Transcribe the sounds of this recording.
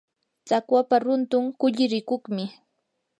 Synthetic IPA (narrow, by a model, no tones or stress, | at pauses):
t͡sakwapaɾʊnt̪ʊŋkʊʎɪɾɪkʊχmɪ